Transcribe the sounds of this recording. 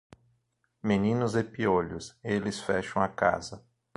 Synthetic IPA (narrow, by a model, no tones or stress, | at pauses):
menĩnʊzepioʎʊselɪsfɛʃɐ̃w̃ɐka̰zɐ